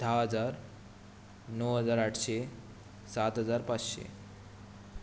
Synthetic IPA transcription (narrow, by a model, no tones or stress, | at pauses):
d̪ʱaɦəd͡zaɾ | nəwɦəd͡zaɾaʈʰse | sat̪ɦəd͡zaɾpat͡sɕḛ